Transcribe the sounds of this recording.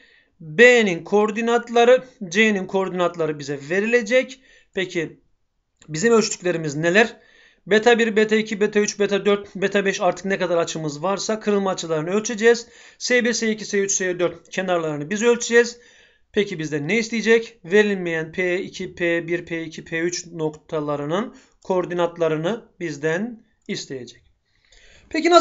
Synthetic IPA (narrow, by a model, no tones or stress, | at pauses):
beninkʰooɾd̪inat̪lˠaɾɯd͡ʒeninkʰoo̞ɾd̪inat̪lˠaɾɯbizɛve̞ɾilʲe̞d͡ʒɛc | pʰecʰi | bizimølʲt͡ʃt̪ʰy̥clʲe̞ɾimizne̞lʲæɾ | be̞t̪ʰabiɾbet̪ʰaicʰibet̪ʰayt͡ʃbet̪ʰad̪øɾt̪be̞t̪ʰabɛʃaɾt̪ʰɯ̥knɛkad̪aɾat͡ʃʰɯmɯzvaɾsakʰɯɾɯlˠmaːt͡ʃʰɯlˠaɾɯnɯø̞lʲt͡ʃʰed͡ʒɛːz̥ | sebiɾseicʰiseyt͡ʃsed̪øɾt̪cʰe̞naɾlˠaɾɯnɯbizø̞lʲt͡ʃʰed͡ʒɛz | pʰecʰibizd̪ænːeist̪ʰijed͡ʒɛcve̞ɾilnʲmejænpʰeicʰipʰebiɾpʰeicʰipʰeyt͡ʃno̞kt̪ʰalˠaɾɯnɯn | kʰo̞ɾd̪inat̪lˠaɾɯnɯbizd̪æn | ist̪ʰe̞jed͡ʒɛ̥c̚ | pʰecina